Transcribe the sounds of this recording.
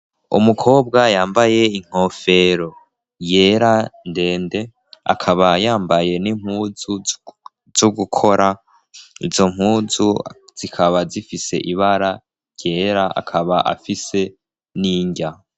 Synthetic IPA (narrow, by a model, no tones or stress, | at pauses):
ṵmukʰo̞ːbɡajaːmbaje̞iŋ̥ho̞fe̞ɾo | je̞ɾande̞ːnde̞ | a̰kʰaβajaːmbaje̞nim̥huːzu | z̥uɡukʰo̞ɾa | ḭzo̞m̥huːzuz̥ikʰaβazifise̞̰ʔiβaɾa | ɟje̞ːɾaa̰kʰaβaʔa̰fise̞ | niːɲɟa